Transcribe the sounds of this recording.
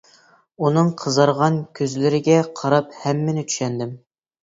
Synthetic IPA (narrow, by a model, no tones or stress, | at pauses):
unɨŋqʰəzɑɾʁɑnkʲʰøzlɪɾɪɡʲɛqʰɑɾɑphɛmːɪnɪt͡ʃ̪ʰy̥ʃɛnd̪ɪm